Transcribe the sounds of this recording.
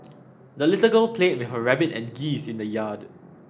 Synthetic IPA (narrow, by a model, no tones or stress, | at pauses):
dəlitəɡəlpʰlẽt̚wɪfəɹɛbitɛ̰̃nɡisĩndəjad